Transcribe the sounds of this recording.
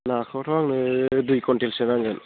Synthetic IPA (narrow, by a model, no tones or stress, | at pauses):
nakʰɔtʰɔaŋnɯdujkɔntelsenaŋɡɯn